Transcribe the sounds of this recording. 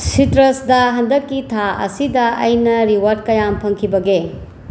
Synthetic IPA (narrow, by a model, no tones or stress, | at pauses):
sitɾɐsdɐɦɐndɐkːitʰaɐ̰sidɐɐjnɐɾiwɐɾd̚kɐjampʰɐŋkʰibɐɡe